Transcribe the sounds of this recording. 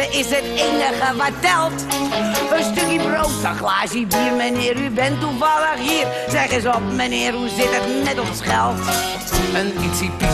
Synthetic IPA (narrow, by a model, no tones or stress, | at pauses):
əʔɪsɦətejnəɣəʋatɛlˠt | ənstøkibrowtsaχlaːʒibiːrmənɪːəɾybɛntːuvɑləχɦiːr | zɛχəzəɔpmanɪːərɦuzɪtətnɛtɔnsχɛlˠt | ənitsi